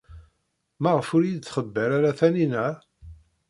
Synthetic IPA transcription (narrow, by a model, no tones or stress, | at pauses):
mæʁəfʊɾjid̪θχəbːəɾaɾæθæninæ